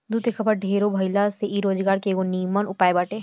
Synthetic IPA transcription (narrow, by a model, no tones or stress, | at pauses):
d̪uːt̪exɐbəɾɖʱeːɾobʱɐɪlaseʔiɾoːd͡ʒɡaːɾkeɡoniːmənʊpaːebaːʈeː